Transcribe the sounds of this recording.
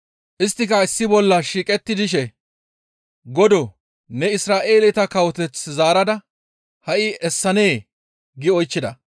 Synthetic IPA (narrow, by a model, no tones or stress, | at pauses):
ʔɪst̪ːɪkɐɪsːɪbɔlːɐʃiːkʼɛt̪ːɪd̪ɪʃɛ | ɡɔd̪ɔ | nɛɪsɾaːʔe̞ːlɛt̪ɐkɐwɔt̪ɛt͡szaːɾɐd̪ɐ | hɐʔɪɛsːɐne̞ː | ɡɪɔjt͡ʃːɪd̪ɐ̰